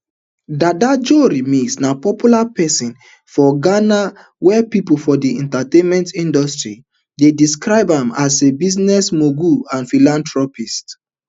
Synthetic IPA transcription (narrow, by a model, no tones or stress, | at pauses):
dadad͡ʒoɾimĩsnapɔpjulapɛsĩn | fɔɡana | wɛpipofɔdiɛ̃ntatẽnmɛ̃ntĩndɔstɹḭ | dediskɹaɪbãmasebiznɛsmoɡuãnfilãntɹɔpist